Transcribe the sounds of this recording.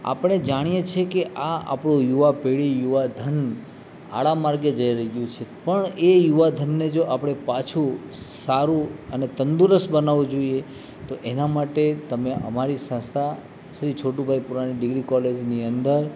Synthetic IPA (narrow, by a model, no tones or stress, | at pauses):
a̰pɽ̃ed͡ʒaɽ̃ijet͡ʃʰekeʔaa̰pɽ̃ũjuʋapeɭijuʋad̪ʱən | a̰ɭamaɾɡed͡ʒəjɾəjũt͡ʃʰepəɳejuʋad̪ʱənːed͡ʒoʔapɽ̃epat͡ʃʰu | saɾũənet̪ənd̪uɾəsbənaʋũd͡ʒoie | t̪oʔenamaʈet̪əmeʔəmaɾisə̃sa | ʃɾit͡ʃʰoʈubʱajpuɾaniɖɪɡɾikɔled͡ʒniənd̪əɾ